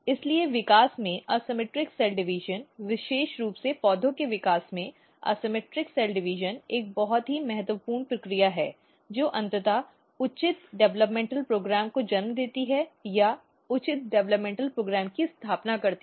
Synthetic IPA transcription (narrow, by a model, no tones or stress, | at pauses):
ɪslieʋɪkaːsmẽʔaːsɪmeːʈɾɪksɛːlɖɪʋɪʒənʋɪʃeːʃɾuːpsepɔːd̪ʱõkeʋɪkaːsmẽ | a̰ːsɪmeːʈɾɪksɛːlɖɪʋɪʒəneːk̚bɐɦɔt̪ɦimɛɦɛt̪ʋəpuːɾɳpɾɐkɾijaɦɛː | d͡ʒoːʔɐ̃nt̪ət̪a | ʊt͡ʃɪt̪ɖɛʋləpmẽːɳʈəlpɾoːɡɾɛːmkod͡ʒɐnmd̪eːt̪iɦɛja | ʊt͡ʃɪt̪̚ɖɛʋləpmẽːɳʈəlpɾoːɡɾɛːmkist̪ʰaːpnakɐɾt̪i